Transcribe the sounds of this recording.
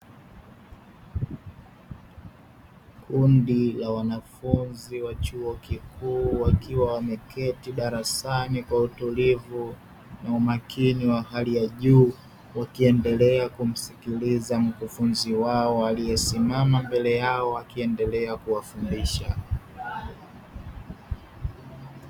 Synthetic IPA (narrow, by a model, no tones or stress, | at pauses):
kʰundilawanafunziwat͡ʃuɔkikuːwakiwawamɛkʰɛtiɗaɾasanikwautulivu | naumakiniwaɦalijaʄuː | wakiɛndɛlɛakum̩sikilizam̩kufunziwaɔalijɛsimamambɛlɛjaɔakiɛndɛlɛakuwafundiʃa